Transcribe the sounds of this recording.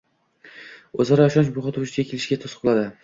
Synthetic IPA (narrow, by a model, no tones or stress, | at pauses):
ɵzaɾaːʃɒnt͡ʃboχɑt̪ʰut͡ʃɪɡʲakʲʰelɪʃɡʲat̪ʰosqʰɒlˠad̪ɪ